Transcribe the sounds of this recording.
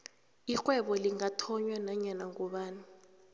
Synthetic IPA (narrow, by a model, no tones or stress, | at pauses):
ik͡xʼwɛɓɔliŋatʰɔɲwɛnaɲanaŋɔɓaːni